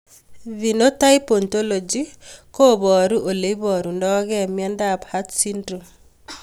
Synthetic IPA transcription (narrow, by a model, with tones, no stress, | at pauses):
vi˨no˦ta˦iponto˦lo˨d͡ʒi˦ko˦bɔ˨ɾuʔo˨le˨ibɔ˨ɾu˨ndɔ˦ɡɛ˦mjɛ˦ndabhatsindɾu